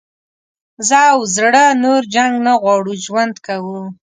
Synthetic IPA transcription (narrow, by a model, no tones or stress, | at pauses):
zəwzɽənoɾd͡ʒaŋɡnaɣwɑɽuʒwand̪kawu